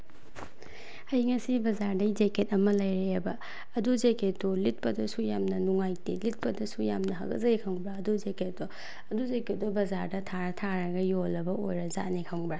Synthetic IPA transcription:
ɐjŋɐsibɐzaɾdɐjd͡ʒeket̚ɐmɐlɐjɾebɐː | duzeket̚ːolit̚pɐdɐsujamnɐnuŋajtilit̚pɐdɐsujamnɐɦɐ̰kɐ̰zɐikʰɐŋbɾaɐduzeket̚ːo | ɐduzeket̚dobɐzaɾdɐtʰaɾɐtʰaɾɐɡɐjolːɐbɐojɾɐza̰tnekʰɐŋbɾa

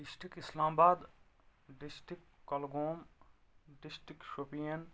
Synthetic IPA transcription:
ɖɪsʈɾɪkɪslaːmbaːd̪ | ɖɪsʈɾɪkkːɐlɡoːm | ɖɪsʈɾɪkʃoːpijən

